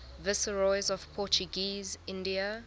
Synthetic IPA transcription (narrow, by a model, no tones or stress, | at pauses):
vɪsəɹɔɪzɔv̥pʰɔt͡ʃuɡiːzɪ̃ndia